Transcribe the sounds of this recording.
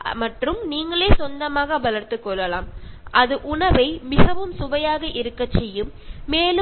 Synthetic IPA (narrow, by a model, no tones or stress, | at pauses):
mɐʈrɯmniːŋɡɐɭeːsɔnd̪ɐmaːɣɐʋɐlɐɾt̪ɯkːɔɭːɐlaːmʔɐðɯʔʊɳɐʋɐɪmɪɣɐʋɯmsʊʋɐjaːɣɐʔɪɾɯkːɐt͡ʃːɛjːɯmː | eːlɯ